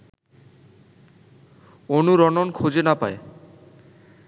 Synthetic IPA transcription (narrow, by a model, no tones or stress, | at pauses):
onuɾɔnonkʰud͡ʑenapa̰e